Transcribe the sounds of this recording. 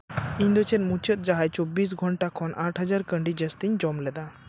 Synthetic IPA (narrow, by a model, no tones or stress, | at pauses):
iɲd̪ɔt͡ʃɛnmũt͡ʃət̪̚d͡ʒaɦajt͡ʃobːis̬ɡʱɔɳʈakʰɔnʔaʈɦəd͡ʒaɾkə̃ɳɖid͡ʒɛst̪iɲd͡ʒɔmlɛd̪a